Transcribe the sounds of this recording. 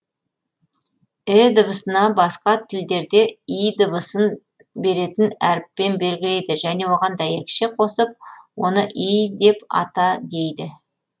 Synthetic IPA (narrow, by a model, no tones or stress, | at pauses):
ɪd̪əbəsənɑbɑsqɑt̪ʰɪld̪e̞ɾd̪e̞ijd̪əbəsən | be̞ɾe̞t̪ɪnæɾɪpːe̞nbe̞lɡʲɪle̞jd̪ɪʒæne̞wo̞ʁɑnd̪æjekʲʃɪqʰo̞səp̚wo̞nəʔijd̪e̞pɑ̰t̪ɑd̪ejd̪ɪ